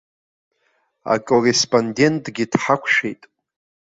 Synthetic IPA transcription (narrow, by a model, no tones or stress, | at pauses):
a̰kʼorespʼonde̞ntʼɡʲid̥ħakʷʰʃᶣejtʼ